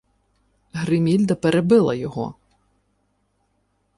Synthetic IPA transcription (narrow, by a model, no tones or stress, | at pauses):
ɦɾɪmʲilʲd̪ɐpeɾebɪlˠɐjɔɦɔ̰